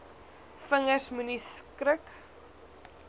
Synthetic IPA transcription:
fəŋərsmuniskɾək

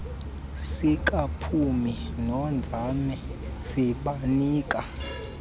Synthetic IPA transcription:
sik̬ʼapʰuminɔnd͡zʱamɛ | siɓaniːkʼa

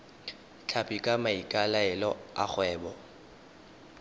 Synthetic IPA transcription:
t͡ɬʰapʼikʼamaikʼalaɛlɔa̰k͡xwɛːbɔ

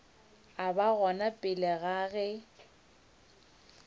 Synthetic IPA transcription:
abaɣɔnapʼɪlɪɣaɣɛ

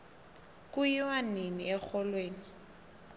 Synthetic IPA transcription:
kʼʊiwaneniɛk͡xɔlweːni

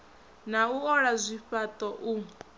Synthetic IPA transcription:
nauɔɺazʷiɸat̪ʼɔʔu

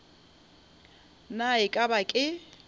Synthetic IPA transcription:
naɪkʼabakʼɪ

